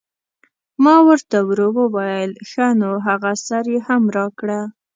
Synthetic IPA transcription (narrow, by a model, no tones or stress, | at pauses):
mɑwəɾt̪awɾowəwɑjəlxanoɦaɣasaɾjehamɾɑkɽa